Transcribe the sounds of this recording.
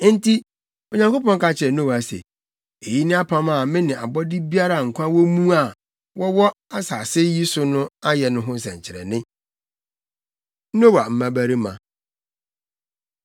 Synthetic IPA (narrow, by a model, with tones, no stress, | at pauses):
n̩˦tʰi˦ | o˨ɲã˦ŋko˦pɔ̃˦ŋka˨t͡ɕʰɪ˨ɛ˨no˦wa˨sɛ̰˨ | e˨ji˦nɪ̃˦a˦pʰã˦ma˦˨mɪ̃˦nɪ̃˨a˨bɔ˦dɪ˦bi˦a˦ɾa˨ŋ̩˨kʷʰã˦wɔ˦mũ˦a˨ | wɔ˦wɔ˦a˦saː˨sɪ˦ji˦sʊ˦nʊ̃˦a˦jɛ˨nʊ̃˦ɦʊ̃˦sɛ̰̃˨ɲ˨t͡ɕʰɪ˨ɾɛ̰˨nɪ̃˦ | no˦wa˨m̩˨mã˨bæ˦ɾi˦mã̰˨